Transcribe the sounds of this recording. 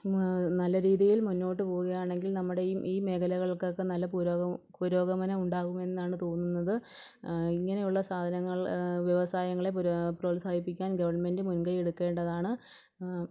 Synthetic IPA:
nɐlːɐɾiːðijilmunːo̞ːʈːɨpo̞ːɣuɣɐjaːɳe̞ŋɡilnɐmːuɽe̞iːme̞ːkʰɐlɐɣɐɭokːokːenɐlːɐpuɾoːpuɾo̞ːɡɐmɐnɐuɳɖaːɣume̞nːaːɳɨt̪o̞ːnːunːɐðɨ | iŋːɐne̞juɭːɐsaːd̪ʱɐnɐŋːɐɭʋjeʋɐsaːjɐŋːɐɭe̞pproːlsaːd̪ʱipːikʲːaːnɡɐʋɐrɳme̞ndɨmunɡɐjeɽukːe̞ːɳɖɐðaːɳɨ

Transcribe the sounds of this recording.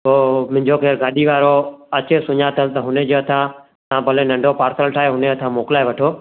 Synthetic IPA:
oːmʊ̃ɦɪ̃ɲd͡ʒokʰeːɾɡaːɗiʋaːɾoət͡ʃesʊɲat̪ʰəlt̪əɦʊnẽd͡ʒoət̪ʰãː | t̪ãːbəlẽnə̃ɳɖʱopaːɾsəlʈʰaːeɦʊneət̪ʰãːmoːklaːeʋəʈʰoː

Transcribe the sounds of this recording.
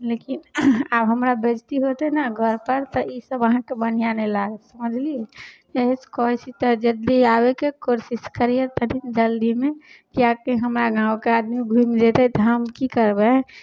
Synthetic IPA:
lekinabɦəmɾabed͡ʒt̪iɦot̪ɦɛnaɡʱəɾpəɾt̪ɔʔisəbəɦãkebən̤ijanelaɡesəməd͡ʒʱlie | eɦskɔisit̪əd͡ʒəd̪ːiabekekoɾsiskəɾiet̪ədind͡ʒəld̪imẽkiakeɦəmɾaɡãːwkead̪miɡʱumd͡ʒet̪ɛt̪ɔɦəmkikəɾbɛ̃

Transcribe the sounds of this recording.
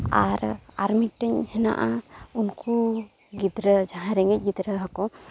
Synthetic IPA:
a̰ɾaɾmik̚ʈɛɲhɛna̰ʔaunku | ɡid̪ɾəd͡ʒaɦãɾɛŋɡɛc̚ˀɡid̪ɾəɦakɔ

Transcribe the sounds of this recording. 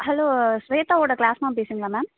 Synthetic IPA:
ɦɛloːsʋeːt̪aoːɖɐklaːsmaːmbeːsiŋɡlamɛːm

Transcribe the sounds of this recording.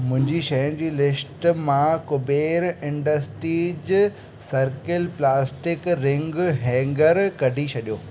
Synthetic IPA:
mʊ̃ɦɪ̃ɲd͡ʑiʃɐjʊ̃nd͡ʑiːlɪsʈmãkʊbeːɾɪ̃ɳɖəsʈɾiːd͡ʑ | sɐɾkɪlplaːsʈɪkɾɪ̃ŋɡɦɛ̃ːŋɡəɾkɐɖʱit͡ɕʰɐɗijoː

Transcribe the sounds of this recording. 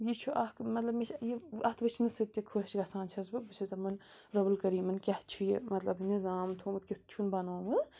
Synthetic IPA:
jit͡ʃʰuʔɐkmɐt̪lɐbmet͡ʃʰjiɐt̪ʰʋɨt͡ʃʰnɨsɨt̪ːikʰoɦt͡ʃɡɐsaːnt͡ʃʰɐzbɨbɨt͡ʃʰɐzɐmɐnɾɐbɨlkɐɾiːmɐnkʲɐht͡ʃʰujḭmɐt̪lɐbnizaːmt̪ʰumɨt̪kʲit̪t͡ʃʰunbɐnoːmɨ

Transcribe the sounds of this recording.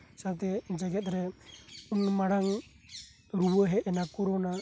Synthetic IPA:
saɾt̪ɛd͡ʒaɡɛt̪̚ʼɾɛunmaɽaŋ | ɾubaɦɛɛnakɔɾɔna

